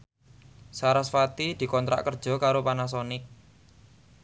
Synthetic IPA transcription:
saɾasfat̪id̪̥i̤kɔnt̪ɾa̰ʔkərd̥ʒ̥ɔ̤kaɾopanas̬ɔnɪk̚

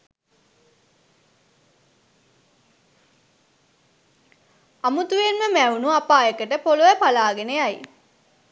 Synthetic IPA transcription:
amut̪uʋenməmæunuapaːjəkəʈəpoluʋəpalaːɡeneaj

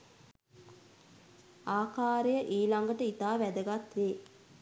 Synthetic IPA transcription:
aːkaːɾejəʔiːlaŋɡəʈəit̪aːʋæd̪əɡat̪ʋeː

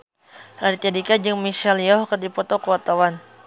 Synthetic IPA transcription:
art̪ɛdikad͡ʒɨŋmiʃɛlijɔɦkərdipɔt̪ɔkəwat̪awan

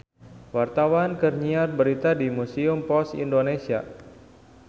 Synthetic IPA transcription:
wart̪awankərɲiar̚bəɾit̪adimusiʊmpɔsḭndonesia̰

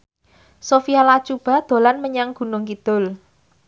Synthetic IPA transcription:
sofijalat͡ʃub̥a̤d̪̥o̤lanməɲaŋɡ̥ṳnʊŋkid̪̥ʊl

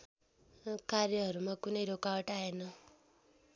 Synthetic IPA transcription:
kaɾjʌɦʌɾumakunʌjɾokawʌʈaenʌ

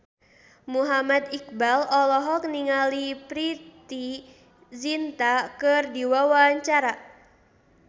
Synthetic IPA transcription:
muɦamad̪ik̚balɔlɔɦɔk̚niŋalipɾit̪i | zint̪akɨrdiwawaɲt͡ʃaɾa

